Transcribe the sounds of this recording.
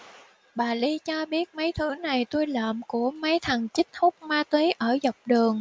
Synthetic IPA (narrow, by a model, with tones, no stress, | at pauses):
ɓaː˨˩li˧t͡ɕɔ˧ɓi˦˥ət̚mə˨˦jt̪ʰɨ˨˦na˨˩jt̪u˧jlə̰ː˧˨mku˧˩əmə˨˦jt̪ʰə˨˩ŋt͡ɕï˦˥k̟̚hʊ˦˥k͡p̚maː˧t̪wi˨˦ʔəː˧˩zɔ˨˩wk͡p̚ɗɨ˨˩əŋ